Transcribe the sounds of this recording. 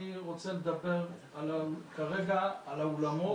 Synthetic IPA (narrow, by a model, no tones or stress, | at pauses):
iʁot͡sale̞d̪abe̞ʁ | alakaʁe̞ɡaːlaolamo̞